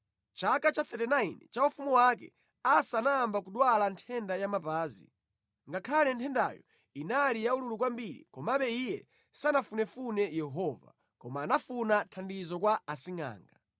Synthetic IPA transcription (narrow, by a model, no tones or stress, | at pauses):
t͡ʃakat͡ʃaθɛtɛnainɛt͡ʃaufumuwakɛ̰ | asanaːmbakuɗwalantʰɛndajamapaːzḭ | ŋɡakʰalɛntʰɛnda̰jɔ̰ | inalijaululukwambiɾḭkɔmaɓɛijɛ | sanafunɛfunɛjɛɦɔva̰ | kɔmaːnafunatʰandizɔkwaasiŋa̰ːŋɡa